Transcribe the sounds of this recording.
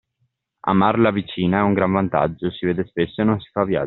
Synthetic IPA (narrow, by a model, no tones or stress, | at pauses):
a̰marlavit͡ʃiːnaɛuŋɡɾaɱvant̪a̰d͡ʒːosiveːd̪espesːoenonsi̥favja̰